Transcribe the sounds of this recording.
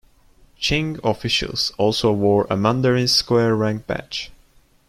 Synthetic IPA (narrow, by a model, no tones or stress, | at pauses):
t͡ʃɪ̃ŋɔfɪʃə̰lˠsɔlˠsoʊwəɹə̰mʌ̃ndəɹɪ̃nskwɛɹːæ̃ŋ̚b̥æ̰t͡ʃ